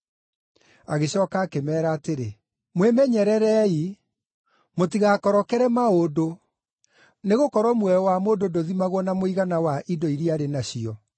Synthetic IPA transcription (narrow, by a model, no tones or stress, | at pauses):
aɣeɕɔkaːkemɛːɾaːteɾe | mwemɛɲɛɾɛɾɛi | motiɣakɔɾɔkɛɾɛmaodo | neɣokɔɾɔmwɛɔwamododoðimaɣwɔnamoiɣanawaʔidoiɾiaɾenaɕiɔ